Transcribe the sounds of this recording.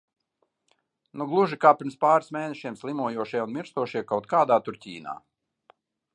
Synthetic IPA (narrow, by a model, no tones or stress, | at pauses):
nuɡlˠuʒikaːpʲiɾmspaːɾsmeːnɛʃiɛmslˠimuɔjuɔʃijɛunmʲiɾst̪uɔʃiɛkawt̪̚kaːd̪aːt̪uɾtʲiːna̰ː